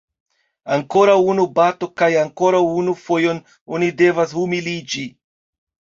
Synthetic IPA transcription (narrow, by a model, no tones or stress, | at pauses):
aŋko̞ɾawunubato̞kajaŋko̞ɾawunufo̞jo̞n | onide̞vashumilid͡ʒi